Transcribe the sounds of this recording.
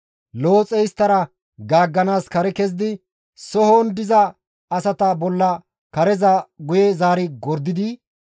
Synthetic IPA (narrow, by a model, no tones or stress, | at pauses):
lo̞ːt͡sʼɛjst̪ːɐɾɐ | ɡaːɡːɐnaːskɐɾɛkɛzɪd̪ɪ | sɔhond̪ɪzɐ | ɐsɐt̪ɐbɔlːɐ | kɐɾɛzɐɡʊjɛzaːɾɪɡɔɾd̪ːɪd̪ɪ